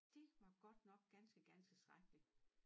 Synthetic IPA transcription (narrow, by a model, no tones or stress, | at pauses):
d̥e̝ʋɑ̈ɡ̥ɒ̽d̥nɒ̽ɡ̥ɡ̥ænsɡ̥əɡ̥ænt͡sʰe̝lsd̥ʁaɡ̥li̥